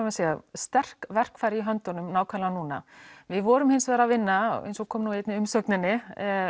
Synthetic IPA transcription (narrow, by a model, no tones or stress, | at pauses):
amɪsɛːast̪ɛr̥kvɛr̥kfaːjɾiɦœnt̪ɔnʏmnaːwkʰvalanuːna̰vɪðvɔːɾʏmhɪnsvɛːðɾavɪnːa̰ḛjnsɔɣkʰɔːmnuːet̪nɪʏmsœknɪnːɪ